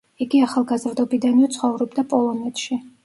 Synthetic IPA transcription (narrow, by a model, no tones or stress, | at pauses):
iɡiaχalˠɡazɾd̪ɔbid̪aniɔt̪sʰχɔvɾɔbd̪apʼɔlˠɔnɛt̪ʰʃi